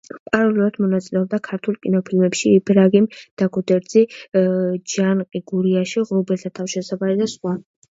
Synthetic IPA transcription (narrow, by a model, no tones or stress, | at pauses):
pʼaɾɔliuɾad̪mɔnat̪sʼilɛɔb̚d̪akʰaɾt̪ʰulˠkʼinɔpʰilmɛpʃiibɾaɡimd̪̥aɡɔd̪ɛɾd̪zi | d͡ʒanqʼiɡuɾiaʃiʁɾubɛlt̪ʰat̪ʰafʃɛsabaɾid̪asχwa